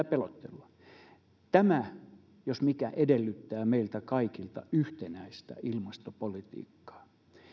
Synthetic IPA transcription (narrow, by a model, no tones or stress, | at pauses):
æpelot̪ːḛlːɑ | t̪æmæ | josmikæʔedelːyt̪ːæːmeilt̪ækɑikilt̪ɑ̰yht̪enæist̪æ̰ilmɑst̪opolit̪ḭːkːɑ̥ː